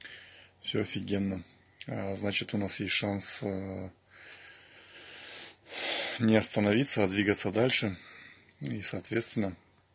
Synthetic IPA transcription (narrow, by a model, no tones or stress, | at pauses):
fsʲɵɐfʲɪɡʲenːə | znat͡ɕɪt̪ʊnasjesʲtʲʂans | nʲɪɐst̪ənɐvʲit̪səɐd̪vʲiɡət̪səd̪alʲʂɨ | isɐːt̪vʲet̪st̪vʲɪnːə